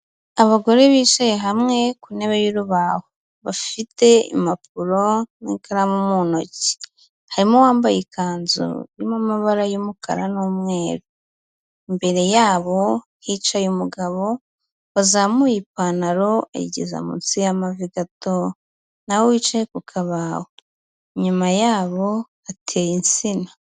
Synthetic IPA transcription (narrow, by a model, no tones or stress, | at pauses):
aβaɡo̞ɾe̞βiːt͡ʃejeɦamŋe̞kune̞βejuɾuβaho | βafite̞ḭmap̚uɾo̞nḭːŋkʰaɾamumuno̞ci̥ | haɾimo̞waːmbajikaːnzṵjimamaβaɾajumuka̰ɾanumŋe̞ːɾu | imbe̞ɾe̞jaːβo̞ | hit͡ʃajumuɡaβo̞ | βazamujip̚aːnaɾo̞a̰jḭɟḛza̰mṵnt͡sijamaviɡato | nawowit͡ʃajekukʰaβaho | ɲumajaːβo̞ | atʰejinsinḁ